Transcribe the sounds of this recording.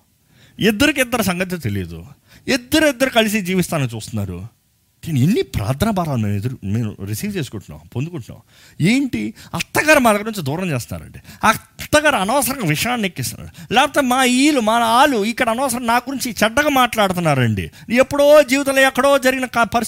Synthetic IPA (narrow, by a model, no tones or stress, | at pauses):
id̪ːɐɾik̬id̪ːɐɾusɐŋɡɐt̪̬ʰilt̪elḭd̪ṵ | id̪ːɐɾuid̪ːɐɾukɐlis̬id͡ʒiːʋist̪aːnɐt͡ʃuːst̪unːa̰ːɾṵ | d̪iːnenːipɾa̰ːd̪ɾaːbaːɾaːlumeːmid̪ɐɾumeːnṵɾisiːʋt͡ʃe̞ːsu̥kuɳʈunːa̰ːwpond̪ukuɳʈuna̰ːm | eːɳʈiɐt̪ːɐɡɐɾɐmɐlɐɡɐnuɲt͡ʃid̪uːɾɐmt͡ʃeːst̪una̰ːɾɐ̰ɳɖiɐt̪ːɐɡɐɾɐɐnɔːsɐɾɐŋʋiʂɐjaːnnekːist̪una̰ɽulɛːpɐt̪ɔtːmaːiːlumaːaːluikːɐɽɐɐnɔːsɐɾɐmnaːɡuɾiɲt͡ʃit͡ʃɛɖːɐɡamaːʈlaːɽut̪̬unːaːɾɐɳɖḭepːuɽoːd͡ʒiːʋit̪̬ɐlɐjɐkːɐɽoːd͡ʒɐɾiɡinɐkɐpɐɾis